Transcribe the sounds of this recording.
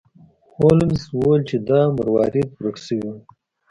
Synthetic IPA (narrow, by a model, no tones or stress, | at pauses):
holɪmswolt͡ʃed̪ɑmɐɾwɑːɾit̪̚ɾəksəwi